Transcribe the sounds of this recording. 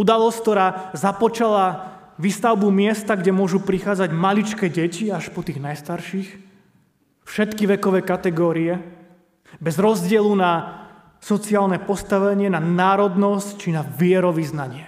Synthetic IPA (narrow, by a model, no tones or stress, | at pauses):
ud̪alɔstk̚t̪ɔɾaːzapɔt͡ʃala | ʋiːst̪aʊbumɪɛst̪aɡɟɛmʊɔʒupɾixaːd͡zaɟmalit͡ʃkɛɟɛciaʃpɔt̪iːɣnajst̪aɾʃix | fʃɛt̪kiʋɛkɔʋɛːkat̪ɛɡɔːɾiɛ | bɛzɾɔzɟɪɛluna | sɔt͡siaːlnɛpɔst̪aʋɛɲɪɛnanaːɾɔd̪nɔsct͡ʃinaʋɪɛɾɔʋiznaɲɪɛ